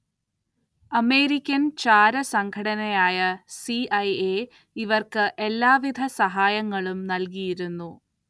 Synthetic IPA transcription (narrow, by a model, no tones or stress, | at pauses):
ɐme̞ːɾikʲːɐnt͡ɕaːɾɐsɐŋɡʰʱɐɽɐnɐjaːjɐsiɐje | iʋɐrkɨʔe̞lːaːʋid̪ʱɐsɐɦaːjɐŋːɐɭumnɐlkijiɾunːu